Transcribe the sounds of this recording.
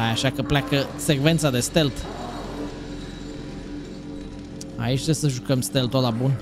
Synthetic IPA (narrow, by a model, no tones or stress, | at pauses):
ajaʃakəplʲakəsekve̞nt̪sad̪e̞st̪e̞lt̪ | a̰it͡ʃt̪esəʒukəmst̪e̞lt̪olabun